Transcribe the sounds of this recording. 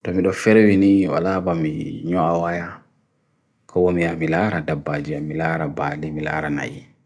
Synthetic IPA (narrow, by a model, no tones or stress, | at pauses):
tɔmidɔfɛɾɛwiniwa̰labamiɲɔawaja | kʰawomiamilaɾadabːad͡ʒiamilaːɾabaːlimila̰ːɾana̰jḭ